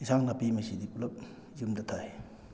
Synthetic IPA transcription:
isaŋnapimɐsidiulɐp̚ | zumdɐtʰaj

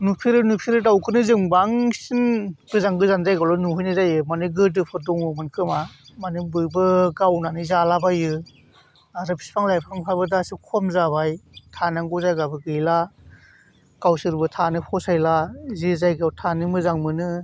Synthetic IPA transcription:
nupʰiɾɯnupʰiɾɯdawkʰɯnɯzɯŋbaŋsinbɯzaŋɡɯzanzajɡawlɔnuɦujnɯzajɯmanɯɡɯd̬ɯpʰɯɾdɔŋɯmɯnkʰɯmamanɯbɯjbɯɡawnanɯzalabajɯ | aɾɯpʰi̥spʰaŋlajpʰɯɾmpʰajbɯdasɯkʰɔmzabajtʰanaŋɡɔzajɡabɯɡɯjla | ɡ̥awsɯɾbɯtʰanɯpʰɔsajlazezajɡawtʰanɯmɯzaŋmɯnɯ

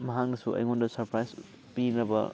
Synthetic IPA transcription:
mɐɦak̚nɐsuɐ̰jŋondɐsɐɾpɾajs | pinɐbɐ̰

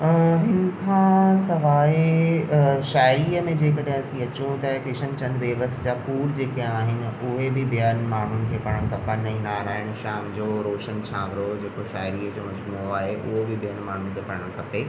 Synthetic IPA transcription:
ɦɪnɪ̆kʰãsɐʋaːe | ʃaːɪɾiːəmẽd͡ʑeːkɐɽeɦɐsĩɐt͡ɕũt̪ɐkɾɪʃənt͡ɕɐ̃nd̪ʋeːʋəst̪d͡ʑaːpuːɾd͡ʑeːkĩaːɦɪnɪ̆ʊɦebɪbɪjən̆maːɳ̤ʊnɪ̆kʰeːpɐɽ̃əɽ̃kʰɐpənɛ̃naːɾaːɦɪɽ̃ʃaːmd͡ʑoːɾoːʃənt͡ɕʰaːʋɾod͡ʑeːkoʃaːɪɾiːəd͡ʑoːmɐd͡ʑmuoaːɦeʔʊ̰ɦobɪbijənmaːɳ̤ʊnɪkʰeːpɐɽəɽəɽ̃kʰɐpeː

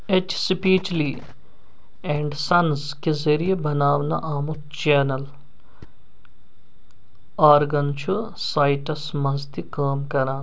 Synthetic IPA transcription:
et͡ʃsipiːt͡ʃli | ẽːɳɖsɐnzkezɐɾijebɐnaːʋnɐ̰ʔaːmu | t͡ʃeːnɐl | aːɾɡɐnt͡ʃʰu | saːɪʈɐsmɐzt̪ikaːmkɐɾaːn

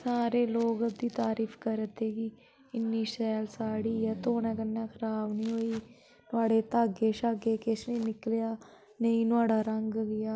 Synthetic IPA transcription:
saːɾeːloːɡd̪iːt̪aːɾiːfʰkəɾət̪eːɡiː | ɪnːiːʃɛːlsaːɽiːɛːt̪oːnɛ̃ːkənːɛ̃ːkʰəɾaːbnĩːɦoːiː | nʊaːɽeːt̪aːɡeːʃaːɡeːkeʃniːnɪkljaː | nəĩːnʊaːɽaːɾəŋɡɡɪjaː

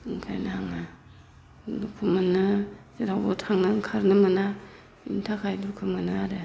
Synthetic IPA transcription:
ŋkʰa̰jnaaŋa | dukʰumɯnɯsiɾawbɔtʰaŋnɯŋkʰaɾnɯmɯna | ḭntʰakʰajdukʰɯmɯnɯaɾe

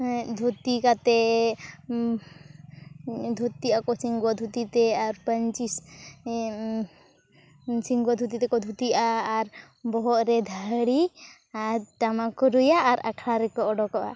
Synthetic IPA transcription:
d̪ʱut̪ikat̪ɛ | d̪ʱut̪iʔakɔsiŋɡɔd̪ʱut̪it̪ɛaɾpəɲt͡ʃis | siŋɡɔd̪ʱut̪it̪ɛkɔd̪ʱut̪iʔaːɾ | bɔɦɔt̪ɾɛd̪ʱaɽi | aɾʈamakɔɾujaʔːɾa̰kʰɽaɾɛkɔɔɖɔkɔʔa̰

